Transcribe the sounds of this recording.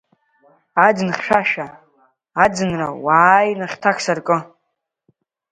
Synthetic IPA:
ad͡zɨnχʲʂaʃaː | d͡zɨnrawaːjnɨχʲtʰakʰsarkʼɨ

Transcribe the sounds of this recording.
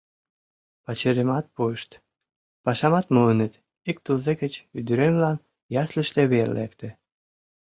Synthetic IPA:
pɑt͡ɕeɾemɑt̪̚pueʃt̪ | pɑʃɑmɑt̪mulənĕt̪ | ik̚t̪ulzekə̆t͡ɕyd̪yɾemlɑn | jɑslə̆ʃt̪eβerlekt̪ĕ

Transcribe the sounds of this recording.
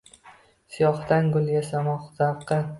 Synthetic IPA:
sɪjɒχt̪anɡʊlˠjasamɒχt̪aɾqʰːɑ

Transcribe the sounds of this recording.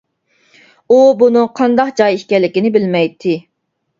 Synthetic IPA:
ubunɨŋqʰɑnd̪ɑqd͡ʒɑjiʃkʲɛlːɪkʲinɪbɪlmɛjt̪ʰːɪ

